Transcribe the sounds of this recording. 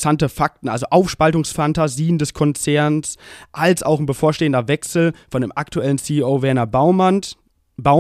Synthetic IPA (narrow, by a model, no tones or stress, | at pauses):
santəfak̚tn̩ʔa̰lzoʔaʊfʃpaltʊŋsfantaziːəndɛskʰɔnt͡sɛɐnsʔalsʔa̰ʊxn̩bəfoːɐʃteːəndɐvɛksl̩fɔndḛːmʔaktuɛlən̩siːʔoːvɛɐnɐ | baʊ